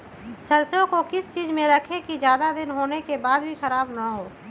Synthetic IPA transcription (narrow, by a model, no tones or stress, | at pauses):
sɐɾsõkokɪst͡ʃiːzmẽɾɐkʰekizjaːd̪ad̪ɪnɦoːnekebaːd̪bʱixɐɾaːbnaɦoː